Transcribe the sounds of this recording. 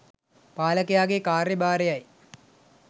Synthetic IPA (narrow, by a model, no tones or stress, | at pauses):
paːlɐkɐjaːɡekaːrjɐbaːɾejɐj